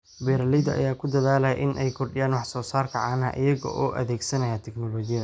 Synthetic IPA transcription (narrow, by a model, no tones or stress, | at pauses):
bɛɾɐlɪd̪ɐɐ̰jaːkʰʊd̪ɐðaːlɐjɐʔɪnʔɛjkʰʊrɖɪjaːnwɑħsɔːsaːrkʰɐʕɑːnɐ̰ʔɪ̰jɐɣɔ̰ʔɔːʔɐ̰ðɛːɡsɐnɐjaːt̪ʰɛknɔlɔːɡɪjɐðɐ